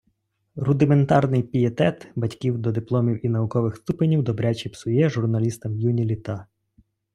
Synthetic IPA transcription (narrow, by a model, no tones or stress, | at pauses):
rʊd̪ɪment̪ɑrnɪjpʲijet̪ɛt̪bɐtʲkʲiwd̪ɔd̪ɪplˠɔmʲiwinɐʋʊkɔʋɪxst̪upenʲiwd̪ɔbɾʲat͡ʃʲipsʊjɛʒʊrnɐlʲist̪ɐmjunʲilʲit̪ɑ